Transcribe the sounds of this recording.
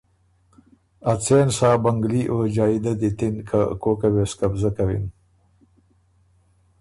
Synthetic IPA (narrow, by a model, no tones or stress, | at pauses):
at͡sensɑːbaŋɡliʔod͡ʒɑːid̪ad̪it̪ɪnkʰakokaweskabzakawḭn